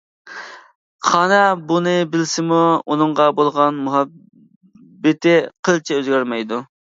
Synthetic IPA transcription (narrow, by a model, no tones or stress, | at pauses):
χɑːnɛbunɨbɪlsɪmuunɨɴʁɑbolˠʁɑnmuɦɑ | bːɪt̪ʰɪqʰəlˠt͡ʃʰɛøzɡʲæɾmɛjd̪u